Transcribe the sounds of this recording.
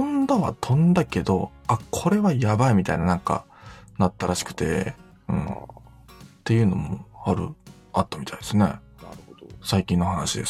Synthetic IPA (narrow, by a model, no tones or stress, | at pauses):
õnd̪aβa̰t̪ʰõ̞nd̪ake̞d̪o̞akʰo̞ɾe̞βajabaimʲit̪a̰inanãŋka̰ | nat̪ːaɾaɕi̥kɯ̟̥t̪e̞ | ɯ̟̰̃ɴ | t̪ːe̞jɯ̟ːno̞mo̞aɾɯ̟̰ | at̪ːamʲit̪aid̪esɨne̞̰ | saikʲĩnːo̞ɦanaɕid̪e̞s